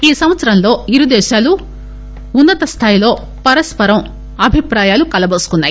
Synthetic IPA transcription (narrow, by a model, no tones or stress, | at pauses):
iːsɐmʋɐt̪sɐɾɐmlo̞ːiɾud̪ɛːʃaːlu | unːɐt̪ɐst̪ʰaːjilo̞ː | pɐɾɐspɐɾɐm | ɐbʱipɾaːjaːlukɐlɐbɐːsu̥kunːaːji